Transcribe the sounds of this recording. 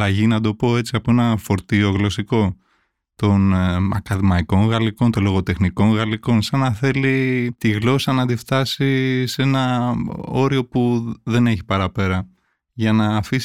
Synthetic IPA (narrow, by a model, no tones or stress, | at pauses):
lɐʝinɐd̪o̞po̞e̞t͡siɐpoenɐfo̞ɾt̪io̞ɣlo̞siko̞ | t̪o̞nɐ̰kɐðimɐiko̞ŋɣɐliko̞nt̪olo̞ɣo̞t̪e̞xniko̞ŋɣɐliko̞nsɐnɐθe̞lit̪iɣlo̞sɐnɐd̪ift̪ɐsise̞nɐ | o̞ɾio̞puðe̞ne̞çi̥pɐɾɐpe̞ɾɐ | ʝɐnɐːfis